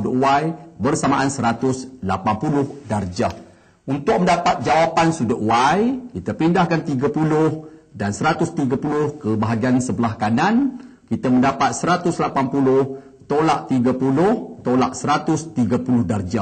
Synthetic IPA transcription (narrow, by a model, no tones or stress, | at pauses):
udəʔwajbərsamaʔansəɾat̪ʊslapampulʊhdard͡ʒa | unt̪ʊk̚məndapat̪̚d͡ʒawapansudəʔwajkit̪əpindahkant̪iɡapulʊhdansəɾat̪ʊst̪iɡapulʊhkəbaɦaɡiansəbəlahkanankit̪amə̃ndapat̪̚səɾat̪ʊslapanpulʊh | t̪olaʔt̪iɡapulʊht̪ola̰ʔsəɾat̪ʊst̪iɡapulʊhdard͡ʒa